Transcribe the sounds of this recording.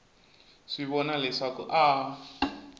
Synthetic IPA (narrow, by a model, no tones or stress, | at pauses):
ʂiβɔnalɛʂakṵʔa